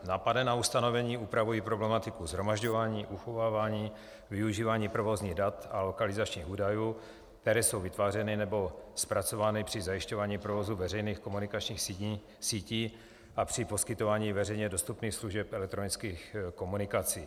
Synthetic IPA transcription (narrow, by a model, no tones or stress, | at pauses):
naːpadɛnaust̪ano̞vɛɲiːuːpɾavujiːpɾoblɛmat̪ɪkuzɦɾo̞maʒɟo̞vaːɲiːʔuxo̞vaːvaːɲiː | vɪuʒiːvaːɲiːpɾovozɲiːɣdat̪alo̞kalɪzat͡ʃɲiːxuːdajuː | k̚t̪ɛɾɛːsowvɪt̪vaːrɛnɪnɛbo̞spɾat͡so̞vaːnɪpr̝̥ɪzajɪʃco̞vaːɲiːpɾovozuvɛrɛjniːxko̞munɪkat͡ʃɲiːxsi | siːciː | ʔapr̝̥ɪpo̞skɪt̪o̞vaːɲiːvɛrɛjɲɛdo̞st̪upniːxsluʒɛpɛlɛk̚t̪ɾo̞nɪt͡skiːxko̞munɪkat͡siː